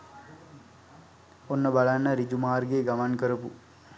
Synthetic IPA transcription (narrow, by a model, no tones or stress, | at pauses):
onːəbalanːəɾid͡ʒumaːrɡeːɡamankəɾəpu